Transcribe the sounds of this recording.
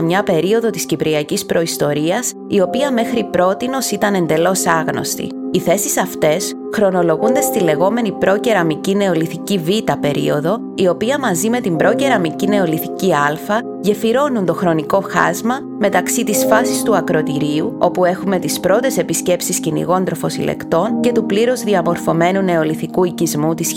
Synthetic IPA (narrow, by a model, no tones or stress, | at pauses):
mɲɐpe̞ɾio̞ðo̞t̪iscipɾiɐcispɾʔo̞ist̪o̞ɾiɐs | io̞piɐme̞xɾipɾo̞t̪ino̞sit̪ɐne̞nd̪e̞lo̞sɐɣno̞̰st̪ḭiθe̞sisɐft̪e̞s | xɾo̞no̞lo̞ɣund̪e̞st̪ile̞ɣo̞me̞nipɾo̞ce̞ɾɐmicine̞o̞liθicivit̪ɐpe̞ɾḭo̞ðo̞ | io̞piɐmɐzime̞t̪imbɾo̞ce̞ɾɐmicine̞o̞liθiciɐlfɐ | ʝe̞fiɾo̞nunt̪o̞xɾo̞niko̞xɐ̰zmɐ | me̞t̪ɐksit̪isfɐsist̪uɐkɾo̞t̪iɾiuo̞pue̞xume̞t̪ispɾo̞t̪e̞se̞pisce̞psiscinḭɣo̞nt̪ɾo̞fo̞sḭlḛkt̪o̞nce̞t̪upliɾo̞zðiɐmo̞ɾfo̞me̞nune̞o̞liθikuicizmut̪is